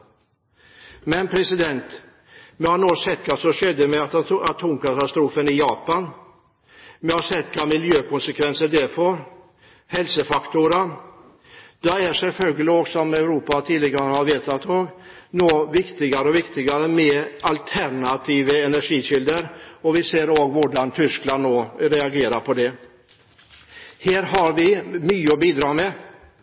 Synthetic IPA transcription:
mɛnpʰɾɛsɪd̪ɛnt̪ | mɛhaɳoːsɛt̪ːkʰasɔɕɛd̪ːəmɛat̪at̪ʰoːmkat̪ast̪ɾuːfənɪjɑːpan | mɛhaʂɛt̪ːkʰamɪljøːkʰɔnsəkʰvɛnsəɖ̪ɛɾfɔɾ | hɛlsəfakt̪ʊɾə | d̪ɛæʂɛlfœlɡəlɪɔksɔmɛʉɾuːpat̪ʰiːd̪lɪɡaɾəəhaɾʋeːt̪at̪ʰoːɡnoːvɪkt̪ɪɡaɾəɔʋɪkt̪ɪɡaɾəmɛalt̪ʰæɳat̪ʰiːʋəɛnæʂiːɕɪld̪əɾɔʋɪseːɾoːɡʋʊɖant̪ʰʏsklannoːɾɛaɡeːɾapʰɔd̪ɛ | hæːɾɦaɾʋɪmyːəɔbiːd̪ɾɑːmɛ

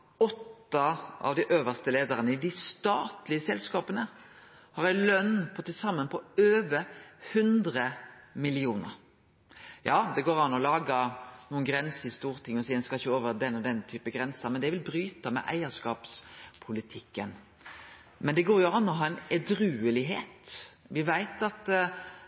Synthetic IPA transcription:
ɔt̪ːɑʔɑ̰ʋd̪ɪʔøːʋəst̪əleːd̪əʁənəɪd̪ɪst̪ɑːt̪lɪəsɛlskɑːpənə | hɑɾæɪlœnːpʰɔt̪ʰːɪsɑmːənpʰɔøːʋəhʉnd̪ʁəmɪlɪuːnə̰ɾ | jɑːd̪ɛɡoːɾɑnːɔlɑːɡənuːənɡɾɛnsəɾɪst̪uːʁt̪ʰɪŋːɔsiːɛnskɑɪçːəoːʋəɾd̪ɛnːɔd̪ɛnːt̪ʰyːpəɡɾɛnsəmɛnd̪ɛʋɪlbɾyːt̪əmɛ̰ʔæ̰ɪəʂkɑːpspʰʊlɪt̪ʰɪkːən | mɛnd̪ɛɡoːɾjʊɑnːɔɦɑːɛnɛd̪ɾʉːəlɪɦḛːt̪ | ʋɪʋæɪt̪ɑt̪

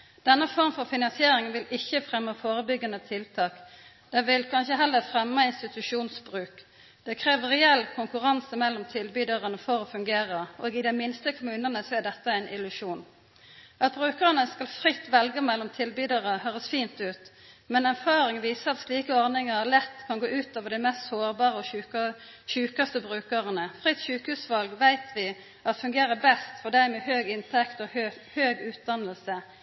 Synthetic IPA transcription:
d̪̥ɛnːəfɔʁmfɔʁfɪnɑnsɪeːɾɪŋnʋɪlɪçːəfʁɛmːəfoːɾəbʏɡənət̪ʰɪlt̪ʰɑːk | d̪̥ɛʋɪlkʰɑnçəɦɛlːəfʁɛmːəɪnst̪ɪt̪ʉʂuːnsbʁʉːk | d̪̥ɛkʰʁeːʋəʁɛɛlːkʰʊŋkʉʁɑnsəmɛlːɔmt̪ʰɪlbyːd̪ɑʁənəfɔɾoːfʉŋɡeːʁəʔoːɡɪd̪ɛmɪnst̪əkʰʊmʉːnənəsɔæd̪ɛt̪ːəæɪnʔɪlʉʃuːn | ɑt̪̚bʁʉːkəʁənəskɑlfʁɪt̪ːʋɛlɡəmɛlːɔmt̪ʰɪlbyːd̪əʁəɦøːʁəsfiːnt̪ʉːt̪ | mɛnæʁfɑːɾɪŋʋiːsəɑt̪sliːkəɔʁnɪŋəlɛt̪ːkʰɑnɡoːʔʉːt̪oːʋəɾd̪æɪmɛst̪soːʁbɑːʁəɔʉ | çʉːkɑst̪əbʁʉːkəʁənəfʁɪt̪ːʃʉːkhʉːsʋɑlɡʋæɪt̪ʰʋɪ | ʔɑt̪fʉŋɡeːɾəbɛst̪fɔd̪æɪmɛhøːɡɪnt̪ʰɛkt̪ɔhøːɡʉːt̪̚d̪ɑnəlsə

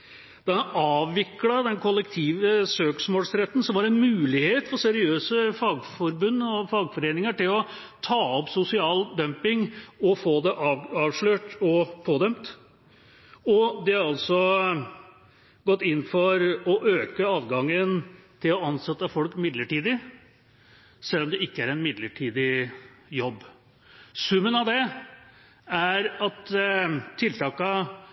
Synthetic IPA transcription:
d̪̥ɛhɑʔɑːʋːɪklɑd̪ɛnkʰɔlːɛkt̪ʰiːʋəsøːksmoːlsɾɛt̪ːən̩sɔmʋɑɾɛnmʉːlɪheːt̪fɔsɛɾɪøːsəfɑːɡfɔɾbʉnːəɔfɑːɡfɔɾeːnɪŋəʈɪlɔ | t̪ʰɑːɔpsʊsɪɑːld̪œmpɪŋɔfoːd̪ɛʔɑɑːʋʂɭøːʈɔpʰoːd̪œmt̪ | ɔd̪ɛhɑɾɑlsɔ | ɡɔt̪ːɪnːfɔɾɔʔøːkəɑːʋɡɑŋːənt̪ʰɪlɔɑnsɛt̪ːəfɔlkmɪd̪ləʈiːd̪ɪ | sɛlːɔmd̪ɛɪkːəæɾɛnmɪd̪ləʈʰiːd̪ɪjɔbː | sʉmːənɑʋd̪ɛ | æɾɑt̪t̪ʰːɪlt̪ʰɑːkə

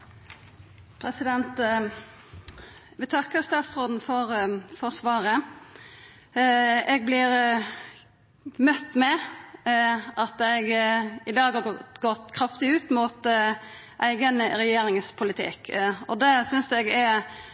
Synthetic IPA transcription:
pʰɾɛsɪd̪ɛnt̪ | ʋɪt̪ʰɑkːəɾst̪ɑːt̪sʁoːd̪n̩fɔɾfɔʁsʋɑːɾə | ɛɡ̚blɪɾ | mœt̪ːmɛ | ʔɑt̪ɛɡɪd̪ɑːɡhɑɡɔt̪kʰɾɑft̪ɪʉːt̪mʊt̪ | ʔæɪɡənɾɛjeːɾɪŋspʰʊlɪt̪ʰɪ̰kɔd̪ɛsʏnsɛɡɛ

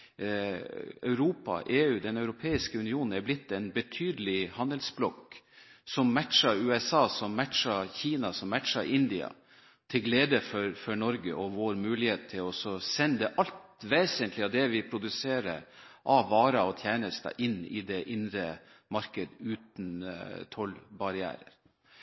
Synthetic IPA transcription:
œʉɾuːpɑ̰ʔeːʉːd̪ɛnœʉɾʊpʰeːɪskəʉnɪuːnn̩æɾblɪt̪ːɛnbət̪ʰyːd̪əlɪhɑnd̪əlsblɔk | sɔmːæʈʂɑɾʉːɛsɑːsɔmːæʈʂɑçiːnɑsɔmːæʈʂɑɾʔɪnd̪ɪɑ̰ | t̪ʰɪlɡleːd̪əfɔɾfɔɳɔɾɡəʔɔʋoːɾmʉːlɪheːt̪̚ʰːɪlɔsɔsɛnːəd̪ɛʔɑlt̪ʋeːsənt̪lɪɑd̪ɛʋɪpʰɾʊd̪ʉseːɾə̰ʔɑʋɑːɾɑɔt̪ʰjæːnəst̪ɑ̰ʔɪnːɪ̰d̪ɛʔɪnɾə | mɑɾkəd̪ʉːt̪n̩t̪ʰɔlbɑɾɪæ̰ːɾə̰ɾ

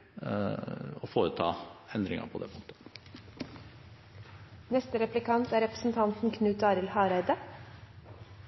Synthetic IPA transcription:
ɔfoːɾət̪ʰɑ̰ːɛnd̪ɾɪŋɑ̰pʰɔd̪ɛ̰ːmoŋt̪ə̥ | nɛst̪əɾɛplɪkʰɑnt̪æːɾɛpɾə̥sn̩t̪ʰɑnt̪n̩kʰnʉːt̪ɑːɾɪlhɑːɾæɪd̪ə

